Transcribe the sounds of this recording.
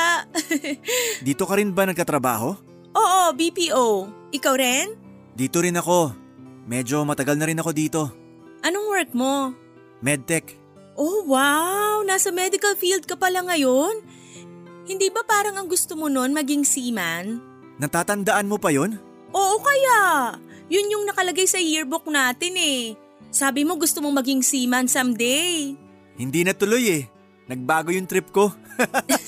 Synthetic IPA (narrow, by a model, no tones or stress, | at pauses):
d̪iːt̪o̞kɐɾɪnbɐnɐɡ̚kɐt̪ɾɐba̰ːho̞ | ʔo̞ːʔo̞bipiːʔowʔɪkawɾɛn | d̪iːt̪oɾɪnɐko̞ | mɛd͡ʒo̞mɐt̪ɐɡalnɐɾɪnɐko̞d̪iːt̪o̞ | ʔɐnoŋwɛɹk̚mo̞ | mɛd̪̚t̪ɛk | ʔowawnaːsɐmɛd̪ɪkɐlfiːld̪̚kɐpɐlaŋɐjo̞n | hɪnd̪iːbɐpaːɾɐŋɐŋɡʊst̪omo̞no̞nmɐɡɪŋsiːman | nɐt̪aːt̪ɐnd̪ɐʔanmo̞pɐjo̞n | ʔoːʔo̞kɐjaʔjʊnjʊŋnɐkɐlɐɡajsɐjɪɹbok̚naːt̪ɪnɛ | saːbɪmo̞ɡʊst̪omo̞ŋmɐɡɪŋsiːmɐnsɐmd̪ɛj | hɪnd̪iːnɐt̪ʊlo̞jɛ | nɐɡ̚baːɡo̞jʊŋt̪ɾɪp̚ko̞